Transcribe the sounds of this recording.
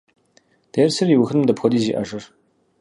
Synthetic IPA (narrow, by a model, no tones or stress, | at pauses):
d̥eːrsɨrjiwʊxɨnmdɐpxʷɔdiːziːʔɐ̰ʂʼɨr